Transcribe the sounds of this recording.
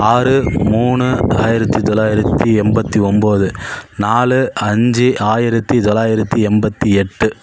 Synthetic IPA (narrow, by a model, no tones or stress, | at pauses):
aːɾɯmuːɳɯaːjɪɾɐt̪ːit̪ɔlaːjɪɾɐt̪ːiɛmbɐt̪ːiɔmboːðɯnaːɭɯɐɲd͡ʒiʔaːjɪɾɐt̪ːit̪ɔlaːjɪɾɐt̪ːiɛmbɐt̪ːiɛʈːɯ